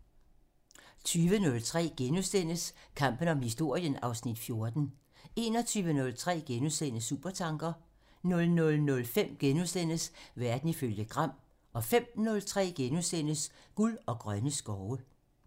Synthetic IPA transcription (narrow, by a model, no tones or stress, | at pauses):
t͡sʰyːʋənɔ̽lt͡sʰʁɛ̰ːɡ̥enusd̥en̰əskʰɑ̈m̰b̥ən̩ɒ̽mhisd̥o̝ɐ̰jənɑ̈ʊsnid̥fjo̝ɐd̥n̩ | e̝nɒ̽t͡sʰyːʋənɔ̽lt͡sʰʁɛ̰ːɡ̥enusenəsuːb̥ɐt͡sʰɑ̈ŋɡ̥ɐ | nɔ̽lnɔ̽lnɔ̽lfem̰ɡ̥enusd̥en̰əsʋæɐd̥n̩iføljəɡ̥ʁɑ̈m̰ | ɒ̽fem̰nɔ̽lt͡sʰʁɛ̰ːɡ̥enusden̰əs | ɡ̥ulɒ̽ɡ̥ʁɶnəsɡ̥ɒʊə